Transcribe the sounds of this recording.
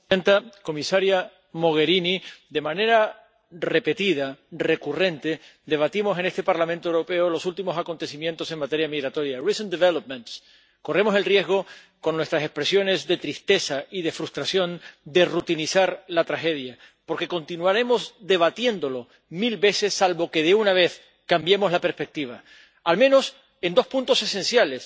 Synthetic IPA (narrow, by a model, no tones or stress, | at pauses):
ent̪ako̞misaɾja | mo̞ɣ̞e̞ɾinid̪e̞mãne̞ɾa | re̞pe̞t̪ið̞are̞kure̞nt̪e̞d̪e̞β̞at̪imo̞se̞ne̞st̪e̞paɾlamẽnt̪oewɾo̞pe̞olo̞sult̪imo̞sako̞nt̪e̞simjẽ̞nt̪o̞se̞ŋmat̪e̞ɾjamiɣɾat̪o̞ɾjarisond̪eβelop̚mẽnt̪s | ko̞re̞mo̞se̞lrje̞zɣ̞o̞ | ko̞nːwe̞st̪ɾase̞spɾe̞sjo̞ne̞zðe̞t̪ɾist̪e̞saiðe̞fɾust̪ɾasjo̞nd̪e̞rut̪inisaɾlat̪ɾaxe̞ðja | po̞ɾke̞ko̞nt̪inuaɾe̞mo̞zd̪e̞β̞at̪je̞nd̪o̞lo̞ | milβe̞se̞sːalβo̞ke̞ðeunaβ̞e̞θ | kambje̞mo̞zlapeɾspe̞k̚t̪iβ̞a | almẽno̞s | e̞nd̪o̞spũnt̪o̞se̞sensjale̞s